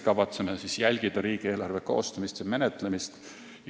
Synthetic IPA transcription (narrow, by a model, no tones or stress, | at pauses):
kɑvɑt̪semesisjælʲɡ̥id̪̥ɑɾiːɡ̥ie̞ːlɑrve̞ko̞̰ːst̪ɑmist̪jɑme̞net̪ˑlemist̪